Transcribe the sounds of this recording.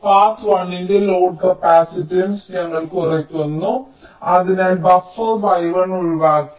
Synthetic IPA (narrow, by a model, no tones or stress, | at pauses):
faːtʋɐɳːindeloːɖkɐpaːsitːinsɲɐŋːɐɭkurɐkʲːunːu | ɐðinaːlbɐfɐrbɐjʋɐɳuɭʋaːkː